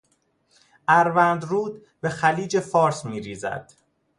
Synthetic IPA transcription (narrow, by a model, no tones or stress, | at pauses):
ʔæɾvænd̪ɾuːd̪ | be̞xæliːd͡ʒe̞fɒːɾsmiːɾiːzæ̰d̪̥